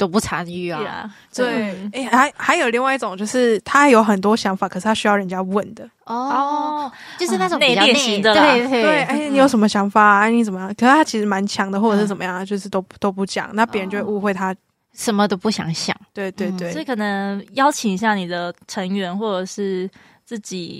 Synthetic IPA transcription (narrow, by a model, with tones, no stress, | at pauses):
t̪o˥pu˥˩ʈ͡ʂʰa˧˥ny˥˩˨ | t̪we˥˨˩ɪe˥˩ɪa˧˥ɪxa˧˥ɪjo˨˩ʊli˥˧ŋwa˥˧ɪi˥˩ʈ͡ʂo˨˩ŋt͡ɕjo˥˧ʊʂɻ̩˥˩t̪ʰa˥jo˧˥ʊxə˨nt̪̬wɔ˥ɕjɑ˧˥ŋfa˨˩kʰɤ˨˩ʂɻ̩˥˩t̪ʰa˥ɕy˥jɑ˥˩ʊɻə˧˦nt͡ɕja˦wə˥˩nd̪ə˩ | ɔ˥˧˩ | t͡ɕo˥˧ʂɻ̩˥˧na˥˩o˨ne˥jɛ˨nɕi˧ŋd̪ə˨le˥˧˩e˥˩we˥˩ɪe˥˩ni˨˥jo˧˥ʊʂə˧˦nmə˧ɕjɑ˧˥ŋfa˨˩˥ni˧˥t͡sə˨mə˦jɑ˥˩ŋkʰə˨˩˥t̪ʰa˥t͡ɕʰi˧˥ʂɻ̩˧˥ma˧˦nt͡ɕʰjɑ˧˦˥ŋd̪ə˨xwɔ˥˩ə˨˩ʂɻ̩˥˩t͡sə˨˩mə˦jɑ˥˩ŋt͡ɕjo˥˧ʂɻ̩˥˩t̪o˥ʊt̪o˥ʊpu˥˩t͡ɕjɑ̰˨˩ŋna˥˩pi˨˧˥ə˧˦t͡ɕjo˥˧we˥˧˦u˥˧xwe˥˩ɪt̪ʰa˦˥ | ʂə˧˥nmə˧t̪o˥ʊpu˥˩ɕjɑ̰˨˩˦ŋɕjɑ̰˨˩˦ŋt̪we˥˩ɪt̪we˥˩ɪt̪we˥˩ɪ˥˩kʰɤ˨˩nə˧˦ŋjɑ˥ʊt͡ɕʰi˨ŋi˧˥ɕ̬ja˥˩ni˨˩d̪ə˦ʈ͡ʂʰə˧˦˥ŋɥɛ˧˥nxwɔ˥˩ʈ͡ʂə˨˩ʂɻ̩˥˩ | t͡s̩˥˩t͡ɕḭ˨˩